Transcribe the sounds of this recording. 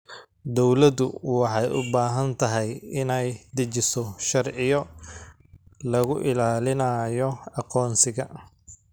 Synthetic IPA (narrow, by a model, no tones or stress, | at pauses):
d̪ɔwlɐd̪ʊwɑħɑjʊbaːɦɐnt̪ʰɐɦɛjɪnɛjd̪ɪt͡ʃɪsɔʃɐrʕɪjɔ | lɐɣʊʔɪlaːlɪnɐjɔɑqɔːnsɪɣɐ